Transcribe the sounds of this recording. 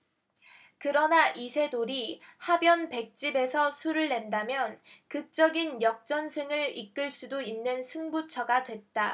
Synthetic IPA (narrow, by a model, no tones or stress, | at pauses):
kɯɾʌnaʔisʰe̞doɾihabjʌnpe̞k̚t͡ɕ͈ibe̞sʰʌsʰuɾɯɭːe̞ndamjʌnkɯk̚t͡ɕ͈ʌɡinjʌk̚t͡ɕ͈ʌnsʰɯŋɯɾik͈ɯɭs͈udoinːɯnsʰuŋbut͡ɕʰʌɡadwe̞t̚t͈a